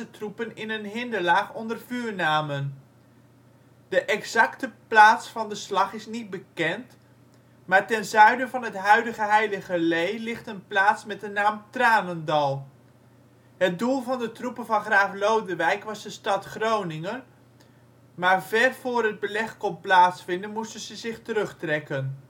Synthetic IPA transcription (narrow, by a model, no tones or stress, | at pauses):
ətrupənɪnənɦɪndəlaːχɔndərvyːɹnaːmən | d̥əʔɛkzɑktəplaːtsfɑndəslɑχɪsnit̚bəkɛnt | maːɹtɛnzœɥdəvɑnɦətɦœɥdəɣəɦɛjləɣəlejlɪχtənplaːtsmɛt̚dənaːmtraːnəndɑlˠ | ɦət̚dulˠvɑndətrupəvɑnχraːflowdəʋɛjkʋɑzdəstɑtχrownɪŋən | maːɹvɛrv̥ʊːrɦəd̚bəlɛχkɔnplaːtsfɪndənmustənzəzɪχtəɾɵχtrɛkən